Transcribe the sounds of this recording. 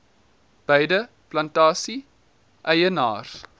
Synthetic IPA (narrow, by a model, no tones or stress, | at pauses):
b̥əjdə | plɐntɑːsi | ʔɛjənɑ̰ːr